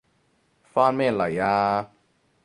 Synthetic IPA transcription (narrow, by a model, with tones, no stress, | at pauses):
fa˦me˦˨la˨jaː˦